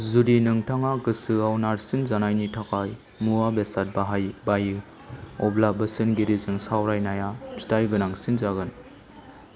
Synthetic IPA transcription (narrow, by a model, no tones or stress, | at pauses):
zudinɯŋtʰaŋaɡɯsɯawnaɾsinzanajnitʰakaj | muabesat̚baɦajbajɯ | ɔblabɐsɯnɡiɾizɯŋsawɾajnajapʰi̥tajɡɯnaŋsinzaɡɯn